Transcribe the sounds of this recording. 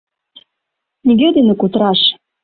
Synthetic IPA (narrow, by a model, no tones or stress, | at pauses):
nʲiɡʲed̪enĕkut̪ɾɑʃ